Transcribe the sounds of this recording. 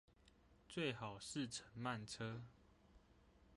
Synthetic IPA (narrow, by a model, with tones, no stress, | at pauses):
t͡swe˥˨ɪxɑ˨˩ʊʂɻ̩˥˨ʈ͡ʂʰə˨˦nma˥˨nʈ͡ʂʰɤ˦